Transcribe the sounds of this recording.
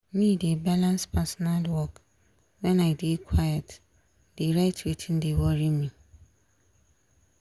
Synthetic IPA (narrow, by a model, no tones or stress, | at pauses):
mĩdebalãnspʰasɔnalwɔk | wɛ̃naɪdekʰwajat | deɾaɪtʰwetʰĩndewɔɾimĩ